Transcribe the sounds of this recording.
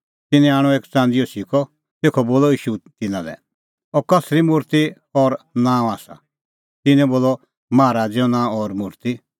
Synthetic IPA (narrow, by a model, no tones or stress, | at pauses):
t̪ɪnɛ̃aːɽ̃ɔeːkt͡sãːnd̪ijɔsikʰɔ | t̪eːkʰɔboːlɔiːʃut̪ɪnãlɛ̰ | ɔkɐsɾimʊɾt̪i | ɔɾnãːɔ̃aːsa̰ | t̪ɪnɛ̃boːlɔ | maːɾaːd͡zjɔnãːɔɾmʊɾt̪i